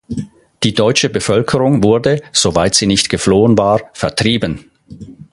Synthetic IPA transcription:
d̥iːdɔʏt͡ʃəbəfœlkʰəʁʊŋvʊɐdəz̥ovaɪtz̥iːnɪçtɡ̥əfloːənvaːɐfɛɐtʁ̥iːbən

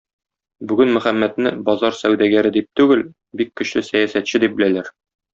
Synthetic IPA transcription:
bʉɡɘnmɵ̆χæmːæt̪nɘbɒzɑɾsæwd̪æɡæɾɘd̪ip̚t̪ʉɡɘl | bikːɵ̆ɕlɘsæjæsæt̪ɕɘd̪ip̚bɘ̆lælæɾ

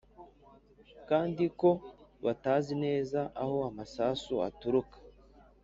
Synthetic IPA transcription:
kaːndiko̞βataːzine̞ːzaʔaho̞amasaːsua̰tuɾukḁ

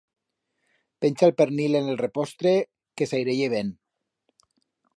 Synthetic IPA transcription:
pensalpeɾnilenelrepɔst̪ɾe | kesajɾeʎeβ̞en

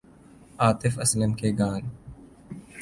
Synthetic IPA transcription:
aːt̪ɪfɐsləmkeɡaːn

